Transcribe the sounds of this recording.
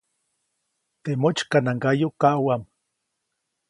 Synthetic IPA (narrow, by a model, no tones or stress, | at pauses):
t̪emot͡ʃkanaŋɡajokaʔwam